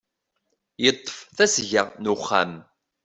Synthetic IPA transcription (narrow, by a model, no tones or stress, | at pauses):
jət̪ˤːə̥fθæsʝəʁnuχːæ̰m